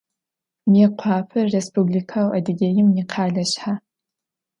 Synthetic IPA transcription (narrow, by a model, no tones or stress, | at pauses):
mjɛqʷʰɑːpʰɐrːespublikʰawɐ̰dɨɡʲejɪmniqʰɑːɮɐɕħa